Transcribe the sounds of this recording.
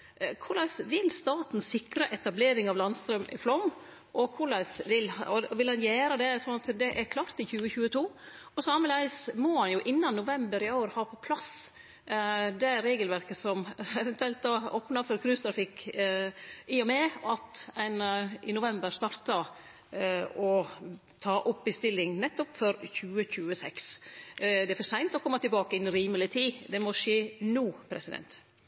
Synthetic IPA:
kʰʊɾɭæɪsʋɪlst̪ɑːt̪n̩ssɪkɾɑʔɛt̪ɑbleːɾɪŋɑʋlɑnst̪ɾœmʔɪ̰flɔm | ʔɔkʰʊɭæɪsʋɪlɔʋɪlhɑnjæːɾəd̪ɛsɔnɑt̪d̪ɛʔæɾkʰlɑːɾt̪ɪçʉːəçʉːət̪ʰuː | ɔsɑməlæɪsmɔhɑnjʊʔɪnːɑnːʊʋɛmbəɾɪoːɾhɑːpʰɔpʰlɑs | d̪ɛæɾːeːɡəlʋæɾkəsɔmɛʋɛnt̪ʰʉɛlt̪̚d̪ɑːoːpnɑfɔɾkʰɾʉːst̪ɾɑfɪk | iːɔmɛɑt̪ɛnɪnʊʋɛmbəɾst̪ɑɾt̪ɑ | ɔ | t̪ʰɑːʔɔpːɪst̪ɪlːɪŋnɛt̪ːɔpfɔɾçʉːəçʉːəsɛks | d̪ɛæfɔʂæɪnt̪ɔkʰɔmːɑt̪ɪlbɑːkəɛnɾiːməlɪt̪ʰiːd̪ɛmɔʂeːnuːpʰɾɛsɪd̪ɛ̰nt̪

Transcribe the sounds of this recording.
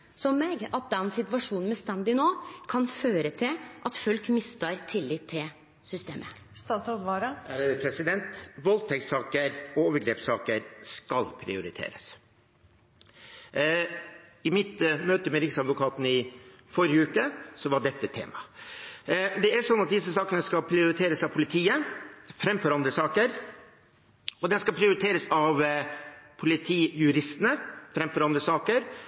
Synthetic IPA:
sɔmːeːɡɑt̪̚d̪ɛnsɪt̪ʋɑʂuːnn̩mɛst̪ænd̪ɪnoːkʰɑnføːɾət̪ʰɪlʔɑt̪fœlkmɪst̪əɾt̪ʰɪlːɪːt̪ʰːɪl | sʏst̪ḛːmʔə | st̪ɑːt̪sɾɔd̪ʋɑːɾɑæɾpʰɾɛsɪd̪ɛnt̪ʋɔlt̪ʰɛksɑːkəɾɔoːʋəɾɡɾeːpsɑːkəɾskɑlpʰɾɪ̰ʊɾɪt̪ʰḛːɾəs | ɪmɪt̪møːt̪əmɛɾɪksɑd̪ʋʊkʰɑːt̪nɪ | fɔɾɪəʉːkəsɔʋɑɖɛt̪ːət̪ʰḛːmɑ | d̪ɛæʂɔnːɑt̪̚d̪ɪs̬ːəsɑːkənəskɑlpʰɾɪʊɾɪt̪ʰeːɾəsɑʋpʰʊlɪt̪ʰiːəfɾɛmːfɔɾɑnd̪ɾəsɑːkəɾ | ɔd̪ɛnskɑlpʰɾɪʊɾɪt̪ʰeːɾəsɑʋ | pʰʊlɪt̪ʰiːjʉɾɪst̪ənəfɾɛmːfɔɾɑnd̪ɾəsɑːkəɾ

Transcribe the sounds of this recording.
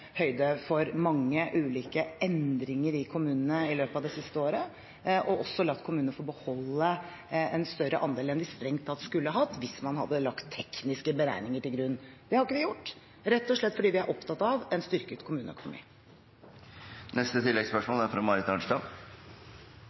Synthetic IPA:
hœʏd̪əfɔɾmɑŋːəʔʉːliːkəɛnd̪ɾɪŋəɾɪkʰʊmʉːnənəɪløːpɑʋd̪ɛsɪst̪əoːɾə | ʔɔʔɔsɔlɑt̪ːkʰʊmʉːnənəfɔɾɔbəhɔlːə | ɛnst̪œɾəʔɑnd̪eːlɛnd̪ɪst̪ɾɛŋt̪ʰɑld̪skʉlːəəɦɑt̪ːʋɪsmɑnɦɑ̰d̪ːəlɑkt̪ʰːɛknɪskəbəɾæ̰ɪnɪŋəʈɪlɡɾʉnːd̪̥ɛhɑɾɪkːəd̪ɪjʊʈː | ɾɛt̪ːɔʂɭɛt̪ːfɔɖiːʋɪæɾʔɔpt̪ʰɑt̪ːɑʋɛnst̪ʏɾkət̪kʰʊmʉːnəɛ̰kʊnʊmḭː | nɛst̪ət̪ʰɪlːɛɡspœʂmoːlæɾfɾɑmɑɾɪt̪ɑɳʂʈɑ

